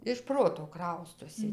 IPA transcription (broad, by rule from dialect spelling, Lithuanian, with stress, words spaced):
ɪʃ ˈproːtoː ˈkrɐʊstoːsʲɪ